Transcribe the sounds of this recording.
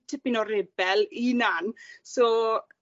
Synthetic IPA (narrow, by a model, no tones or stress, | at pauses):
tʰɪpɪnɔɾɛbɛlinansɔ